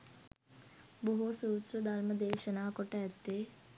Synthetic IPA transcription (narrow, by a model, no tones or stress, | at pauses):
boɦusuːt̪ɾɐd̪ɐlmɐd̪eːʃɐnaːkɔʈɐjɐt̪ːeː